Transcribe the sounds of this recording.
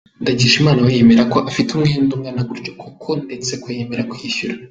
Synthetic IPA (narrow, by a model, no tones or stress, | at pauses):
ndaɟiʃimaːnawajeme̞ɾako̞ʔafitumŋeːndumŋaːnaɡuɾɟokʰukʰo̞ndet͡se̞kujeme̞ɾakwiːʃuɾa